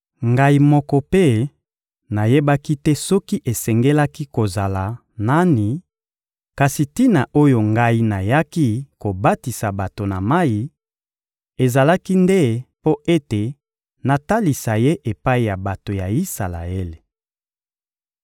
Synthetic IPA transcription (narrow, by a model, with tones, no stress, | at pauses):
ŋɡa˦i˦mɔ˦kɔ˦pe˦ | na˨je˦ba˦ki˦tɛ˦sɔ˦ki˦ʔe˨sɛ˨ŋɡe˦la˦ki˦ko˨za˨la˨ | na˦ni˨ | ka˨si˨ti˦na˨ʔo˦jo˨ŋɡa˦i˦na˨ja˦ki˦ko˨ba˦ti˨sa˨ba˨to˨na˨ma˦ji˨ | e˨za˨la˦ki˦nde˦po˦ʔe˦te˨ | na˨ta˦li˨sa˨je˦ʔe˨pa˦i˨ja˨ba˨to˨ja˨i˦sa˨la̰˨e˦le˨